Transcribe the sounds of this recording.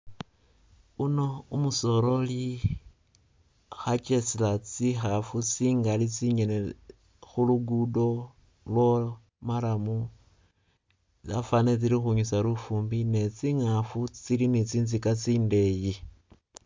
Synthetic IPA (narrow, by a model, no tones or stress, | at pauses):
uno̞umuso̞ɾo̞li | xat͡ʃesilat͡sixafut͡siːŋɡalit͡siɲene | xuluɡudo̞ | lwo | maɾamu | t͡safanet͡silixuɲusaɾufuːmbine̞t͡siŋafut͡silinit͡siːnzikat͡siːnde̞ji